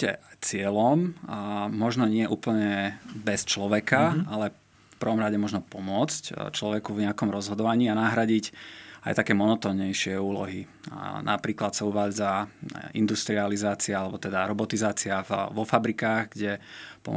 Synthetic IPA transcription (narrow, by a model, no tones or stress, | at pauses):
cɛ̰t͡sɪɛlɔmː | ɔʒnɔɲɪɛʔuːpl̩ɲɛbɛst͡ʃlɔʋɛkaalɛ | fpr̩ʋɔmɾaɟɛmɔʒnɔpɔmʊɔt͡sct͡ʃlɔʋɛkuvɲɛakɔmɾɔzɦɔd̪ɔʋaɲiːanaɦɾaɟica̰jt̪akɛːmɔnɔt̪ɔːnɲɛjʃɪɛuːlɔ̰ɦi | nʔa̰pɾiːklat̪sauʋaːd͡zaḭnd̪ust̪ɾializaːt͡siaalɛbɔt̪ɛd̪aɾɔbɔt̪izaːt͡siaʋɔfabɾikaːɣɡɟɛpɔ̰